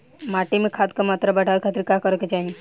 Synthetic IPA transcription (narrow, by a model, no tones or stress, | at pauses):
maːʈimẽkʰaːt̪̚kamaːt̪ɾabɛʈʰaːʋekʰat̪ɾkakəɾket͡ʃaːɦĩ